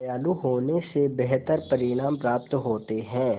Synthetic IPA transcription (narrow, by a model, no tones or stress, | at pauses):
jaːluɦoːnesebɛɦt̪əɾpɐɾɪɽ̃aːmpɾaːp̚t̪ɦoːt̪eɦɛ̃ː